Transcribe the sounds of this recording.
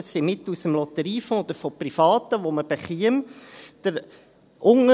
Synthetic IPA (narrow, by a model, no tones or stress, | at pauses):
simɪt̪usəmlɔt̪əɾiːfɔ̃ːɔd̪əɾfɔprifɑːt̪əʋoməb̥ɛχiəmd̪̥əɾ | ʔʊŋə